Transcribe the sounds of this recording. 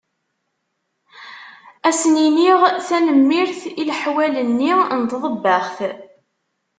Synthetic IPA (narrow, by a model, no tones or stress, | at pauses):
æsniniʁθænəmːiɾθilħwælənːint̪ðˤəbːəχθ